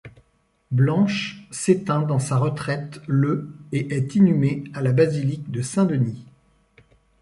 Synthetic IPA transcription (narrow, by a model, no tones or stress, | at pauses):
blɑ̃ʃset̪ɛ̃d̪ɑ̃saʁət̪χɛt̪løeʔɛt̪inymealabazilikd̪əsɛ̃d̪əni